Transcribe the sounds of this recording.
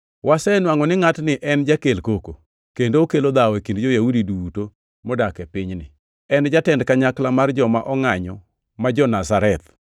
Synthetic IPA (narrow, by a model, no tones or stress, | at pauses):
wasɛnwaŋɔnɪŋatnɪʔɛnd͡ʒakelkoko | kendookelod̪awekindd͡ʒɔjaudiduto | mɔdakɛpɪɲnɪ̰ | ɛnd͡ʒatɛndkaɲaklamard͡ʒɔmaʔɔŋaɲɔ | mad͡ʒɔnasaɾɛt̪